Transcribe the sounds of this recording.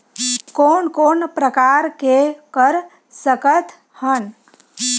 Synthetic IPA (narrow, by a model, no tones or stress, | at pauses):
koːnkoːnpɾəkaɾkekəɾ | səkət̪ | hən